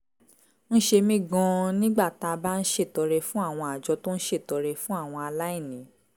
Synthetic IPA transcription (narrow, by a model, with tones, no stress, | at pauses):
ñ̩˦ʃe˧mĩ˦ɡɔ̃˧nĩ˦ɡ͡ba˦˨ta˧ba˦n̩˦ʃe˦˨tɔ˨˧ɾɛ˧fũ˦a˦˨w̃ɔ̃˧a˨d͡ʒɔ˨˧˦to˦n̩˦ʃe˦˨tɔ˨˧ɾɛ˧fũ˦a˦˨w̃ɔ̃˧a˧la˦i˦˨nĩ˨˦